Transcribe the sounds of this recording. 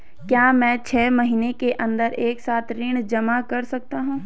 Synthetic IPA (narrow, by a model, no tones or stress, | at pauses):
kjaːmɛ̃ːt͡ʃʰɛːmɐɦiːnekeʔɐ̃nd̪əɾeːksaːt̪ʰɾɪɽ̃d͡ʒɐmakɐɾsɐk̚t̪aɦũː